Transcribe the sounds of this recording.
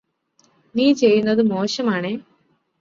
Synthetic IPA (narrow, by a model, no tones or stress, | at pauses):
niːt͡ɕe̞jːunːɐðɨmo̞ːɕɐmaːɳeː